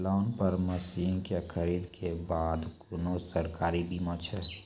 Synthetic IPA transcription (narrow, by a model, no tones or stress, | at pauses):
laːnpəɾməsiŋkekʰəɾiːd̪kʰebaːd̪kʊnosəɾkaːɾibiːmãt͡ʃʰɛ